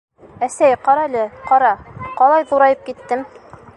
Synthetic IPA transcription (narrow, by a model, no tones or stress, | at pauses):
æsæjqɑɾɑlɘqɑɾɑqɑlˠɑjðuɾɑjɤp̚kit̪ːɘm